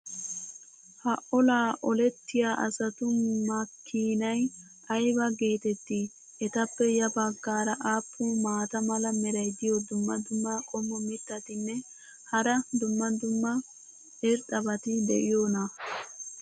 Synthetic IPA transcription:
hɐʔɔlaːʔɔlɛt̪ːɪjaːʔɐ̰sɐt̪ʊmɐkʰːiːnɐj | ɐjbɐɡe̞ːt̪ɛt̪ːɪ | ʔɛt̪ɐpːɛjɐbɐɡːaːɾɐʔaːpʰːumaːt̪ɐmɐlɐmɛɾɐjd̪ɪjɔd̪ʊmːɐd̪ʊmːɐkʼɔmːɔmɪt̪ːɐt̪ɪnːɛ | hɐɾɐd̪ʊmːɐd̪ʊmːɐ | ʔɪɾt̪ʼɐbɐt̪ɪd̪ɛ̰ʔɪjonɐ

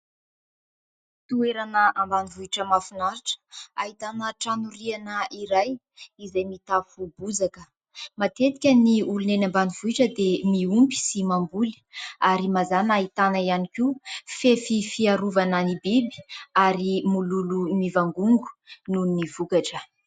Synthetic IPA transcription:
t̪ueɾanəambanivuiʈ͡ʂəmafunaɾiʈ͡ʂə̥aɦit̪anəʈ͡ʂanuɾianəiɾaj | izajmit̪afubud͡zakə | mat̪et̪i̥kʲəniulunenambaniv̥uiʈ͡ʂəd̪emiumpi̥simambuli̥aɾimazanaɦit̪anaianikiufefifiaɾuvananibibi̥aɾimululumivaŋɡuŋɡu̥nunivukaʈ͡ʂə

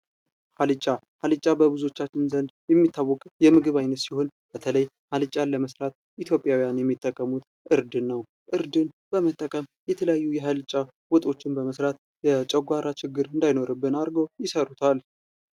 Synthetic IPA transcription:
halɨt͡ʃʼa | halɨt͡ʃʼabəβɨzuo̞t͡ʃːat͡ʃːɪnzənd̪jɛmːit̪ʰːawːɔkʼjɛmɨɡɨβajnət̪siho̞nb̥ət̪ʰələj | halɨt͡ʃʼaləməsɾat̪̚ | ʔit̪ʰjo̞pʼjawijanjɛmːit̪ʼːəkʼːəmut̪ | ʔɨɾd̪ɨnːəw | ʔɨɾd̪ɨnb̥əmət̪ʼːəkʼəmjɛt̪ʰələjajːujɛɦalɨt͡ʃʼa | wɔt̪ʼo̞t͡ʃːɪnbəməsɾat̪ | jɛt͡ʃʼəɡʷaɾat͡ʃɪɡːɨɾɨnd̪ajno̞ɾɨbːɨnaɾɡowjɪsəɾut̪ʰal

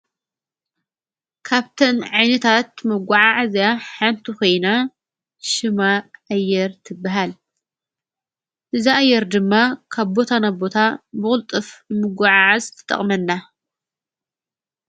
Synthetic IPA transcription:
kʰaβt̪ʰɐnʕajnɐt̪ʰat̪mɐɡʷaʕaʕazjaħant̪ʰiko̞jna | ʃɨmaʔajːɛɾt̪ʰɨbːaɦal | ʔɨziʔajːɛɾd̪ɨmːakʰaβbo̞t̪ʰanabo̞t̪ʰabɨxʼɨlt̪ʼɨfmɨɡʷaʕaʕazt̪ʰɐ̥t̪ʼɐ̰χʼmɐnːa

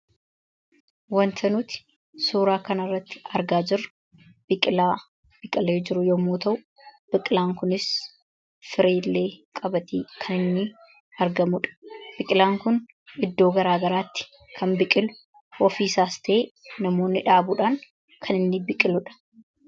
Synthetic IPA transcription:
wɐnt̪ʰɐnuːt̪ɪ̥ | suːɾaːkɐnɐrːɐt̪ːɪ̥ɐɾɡaːd͡ʒɪɾːʊ | b̥ɪkʼɪlaː | b̥ɪkʼɪleːd͡ʒɪɾʊjomːoːt̪ɐʔʊ | b̥ɪkʼɪlaːŋkʊnɪs | fɪɾeːlːe̞ːkʼɐbɐt̪iːkʰɐnɪnːɪ | ɐɾɡɐmʊᶑɐ̥b̥ɪkʼɪlaːŋkʊn | ɪd̪ːoːɡɐɾaːɡɐɾaːt̪ːɪ̥ | kʰɐmbɪkʼɪlʊ̥ | ʔɔfiːsaːst̪ʰɐʔeːnɐmo̞ːnːɪᶑaːbʊᶑaːŋ | kʰɐnɪnːɪbɪkʼːɪlʊᶑɐ̥

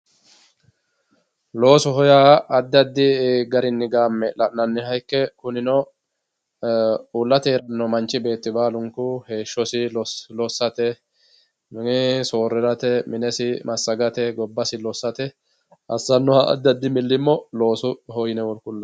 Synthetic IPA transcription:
lo̞ːsʊɦɔjaːɐd̪ːɐd̪ːɪɡɐɾɪnːɪɡaːmːɛlɐʔnɐnːɪhɐjkːɛkʊnɪnɔ | ulːɐt̪eːɾɐnːɔmɐnt͡ʃːɪbe̞ːt̪ːɪbaːlʊŋkʊhe̞ːʃːɔsɪɔlɔsːɐt̪ɛ | mɪŋɪso̞ːrːɛɾɐt̪ɛmɪnɛsɪmɐsːɐɡɐt̪ɛɡɔbːɐsɪlɔsːɐt̪ɛ | ʔɐsːɐnːɔhɐʔɐ̰d̪ːɐd̪ːɪmɪlːɪmːɔlo̞ːsʊhɔjɪnɛwɔlkʊlːɐ

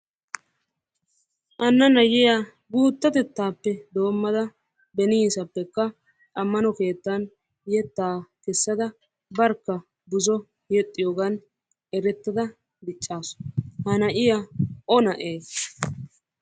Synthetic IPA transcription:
ʔɐnːɐnɐjɪjaː | ɡuːt̪ːɐt̪ɛt̪ːaːpːɛd̪o̞ːmːɐd̪ɐ | bɛniːsɐpːɛkːɐ | ɐmːɐnɔke̞ːt̪ːɐn | jɛt̪ːaːkɛsːɐd̪ɐ | bɐɾkːɐ | bʊzɔ | jɛt̪ʼːɪjoːɡɐn | ʔɛɾɛt̪ːɐd̪ɐ | d̪ɪt͡ʃʼːaːsʊ̥hɐnɐʔɪjaʔɔnɐʔeː

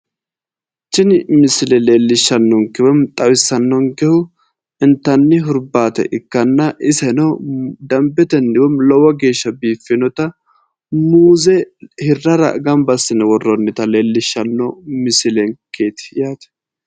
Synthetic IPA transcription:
t͡ʃːɪnmɪsɪlɛleːlːɪʃːɐnːɔŋkɛwɛmt̪ʼɐwɪsːɐnːɔŋkɛhʊ | ɪnt̪ːɐnːɪɦʊɾbaːt̪ɛ̰ʔɪkːɐnːɐʔɪsɐnɔd̪ɐmbɛt̪ɛnːɪwɛmlɔwɐɡe̞ːʃːɐbiːfːɪnɔt̪ɐ | muːzɛhɪrːɐɾɐ̰ɡɐmbɐsːɪnɛwɔrːɔnːɪt̪ɐle̞ːlːɪʃːɐnːɔmɪsɪlɛŋkʰeːt̪ɪ̥jaːt̪ɛ̥

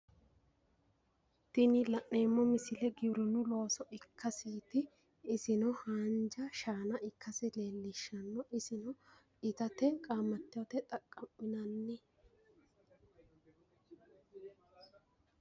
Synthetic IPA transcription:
t̪ɪnɪlɐʔeːmːɔmɪsɪlɛɡɪbɾɪnʊlo̞ːsɔʔɪkʰːɐsiːt̪ɪː | sɪnɔhaːnd͡ʒɐʃaːnɐʔɪkːɐsɪle̞ːlːɪʃːɐnːɔʔɪsɪnɔ | ɪt̪ɐt̪ɛkʼaːmːɐt̪ːɪjɔt̪ɛt̪ʼɐkʼːɐmːɪnɐnːɛ

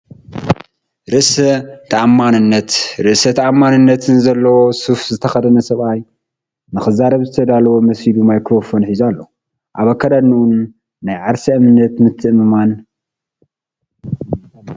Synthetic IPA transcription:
ɾɨʔsɐt̪ʰaʔamːanɨnːɐt̪ɾɨʔsɐt̪ʰaʔamːanɨnːɐt̪ʰɨnzɐlːɐwo̞sufzɨt̪ʰɐxɐd̪ɐnɐsɐβʔaj | nɨxɨzaɾɐβzɨt̪ʰɐd̪alɐwo̞mɐsid̪umajkɾo̞fo̞nħizalːo | ʔaβakʰːɐd̪anuʔunː | ajʕaɾsiɨmɨnɐt̪mɨt̪ʰːɨʔmɨman

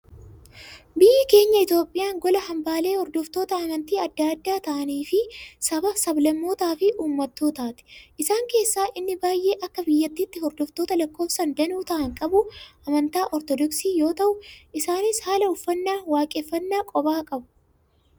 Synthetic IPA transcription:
bɪjɪke̞ːɲːɐɪt̪jo̞ːpʼːɪjaːŋɡɔlɐhɐmbaːle̞ːhɔɾd̪ɔft̪o̞ːt̪ɐɐmɐnt̪iːɐd̪ːaɐd̪ːaːt̪ɐʔɐniːfɪsɐbɐfsɐblɐmːo̞ːt̪aːfɪʔuːmːɐt̪ːoːt̪aːt̪ɪ̥ʔɪsaːŋke̞ːsːaːʔɪnːɪbaːjːe̞ːʔɐkːɐbɪjːɐt̪ːiːt̪ːɪhɔɾd̪ɔft̪oːt̪ɐlɐkːo̞ːfsɐnd̪ɐnuːt̪ɐʔɐŋkʼɐbʊʔɐmɐnt̪aːʔɔɾt̪ɔd̪ɔksiːjo̞ːt̪ɐʔʊɪsaːnɪshaːlɐʊfːɐnːaːwaːkʼɛːfːɐnːaːkʼɔbaːkʼɐbʊ̥

